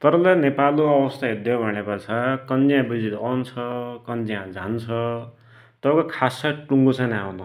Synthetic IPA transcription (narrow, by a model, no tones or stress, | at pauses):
t̪ʌɾʌlanepaluʌwʌst̪aɦed̪jobʱʌɽ̃epʌt͡sʰakʌnd͡zijãbid͡zit̪ʌnt͡sʰʌkʌnd͡zijãd͡zʱant͡sʰʌ | t̪ʌbkokʰasaʈuŋɡot͡sʰʌnawnu